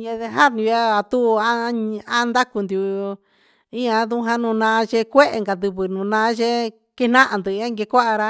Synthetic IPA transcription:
jẽ˧ðe˧ɦa˦nĩ˧a˦a˨t̪u˦˧a˦a˦nd̪a˦ku˧nd̪ju˧ | i˦ã˧ðu˦ɦã˧nũ˧nãː˧˦t͡ʃe˧kʷe˦ʔŋɡa˨d̪u˧βɨ˨nũ˨nãː˧˦ʒe˦ | ke˦nã˦ʔa˧nd̪ɨ˨˧˦ã˦ŋɡe˧kʷa˦ʔa˧ɾa˧

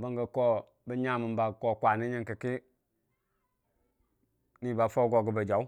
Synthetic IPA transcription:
bə˦ŋɡə˨ko˦ | bə˦ɲa˦mə˨mba˨ko˦˨kʷa˨ni˦ɲi˦ŋki˨ki˦ | ni˦ba˨fo˦ɡo˨ɡə˨bə˨d͡ʒa˨u˦

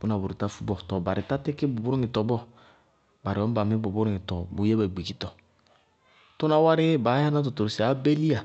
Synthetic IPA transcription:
bu˦na˨bu˨ɾu˨ta˦fu˦bɔ˨tɔ˨ba˨ɾi˨ta˦ti˦ki˦bu˨bu˦ɾu˦ŋi˨tɔ˨bɔ˦ | ba˨ɾi˨ɔ˦ba˨mi˦bu˨bu˦ɾŋi˨tɔ˨bu˨je˦ba˨ɡ͡bi˨ki˦tɔ˨ | to˦na˦wa˦ɾɪ˦ba˨˦a˦na˦t̬ɔ˨to˨si˨a˨˦be˦li˦a˨

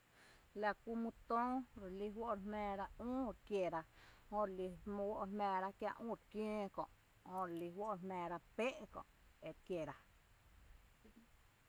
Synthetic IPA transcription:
la˧ku˧mũ˧t̪õː˦ɾli˦ɦwo˦ʔɾmɛ̃ː˧ɾa˦ũː˦ɾkje˨ɾa˧hõ˧ɾli˧mɔ̃˧wo˦ʔmɛ̃ː˨ɾa˦kjã̰˦˧ʔũː˦˨ɾkjẽː˦kɔ̰̃˨ʔ | hõ˧ɾli˧wo˦ʔɾmɛ̃ː˨ɾa˧pe˦ʔkɔ̰̃˨ʔe˨kje˨ɾa˦

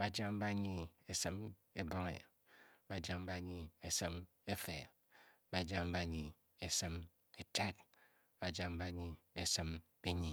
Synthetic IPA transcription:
ba˨d͡ʒa˦ŋ˦ba˦ɲi˨e˦˨sɨ˦m | e˦bɔ˦ŋḛ˨ | ba˨d͡ʒa˦m˦ba˦ɲi˨e˨sɨ˦m | e˦fe˨ | ba˨d͡ʒa˦m̩˦ba˦˨˦ɲi˨ | e˨sɨ˦m | e˨tʰa˦t̚ | b̥a˨d͡ʒa˦ŋ̩˦ba˦ɲi˨e˨sɨ˦m | be˦ɲi˨

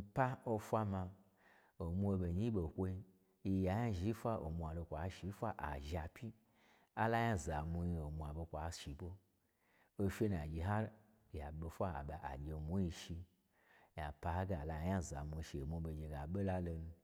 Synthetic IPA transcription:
pa˦o˧fʷa˦ma˧ | o˨mʷu˦o˧bo˨ɲi˦ɓo˨kʷo˧i˧˦˧ | ja˨ja˦ʒi˨˦fʷa˦ʔo̰˨mu˧a˨lo˧kʷa˨˦ʃi˨˦fʷa˦ʔa̰˨ʒa˨pʰʲi˦ | a˦la˦ja˦za˨mu˧ji˧o˨mu˨a˨bo˧kʷa˨˦ʃi˨˦bo˦ | o˧fʲe˦n˨a˨d͡ʒi˨ɦa˦ɾ | ja˨ɓo˧fʷa˦a̰˨ɓa˨ʔa̰˨d͡ʒʲe˨mʷu˦ji˧ʃi˧ | ja˨pa˧ha˦ɡa˦a˨la˧˨ja˦za̰˨mʷu˧˨ʃi˧o˨mʷu˧be˨d͡ʒe˨ɡa˨ɓo˦la˦lo˧nu˧

